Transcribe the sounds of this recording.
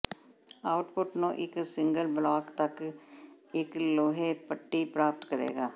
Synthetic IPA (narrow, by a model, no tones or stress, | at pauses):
aːʊʈpʊʈnõːʔɪksɪ̃ŋɡəlblaːkt̪ək | ɪkloːɦeːpəʈːiːpɾaːp̚t̪kəɾḛːɡaː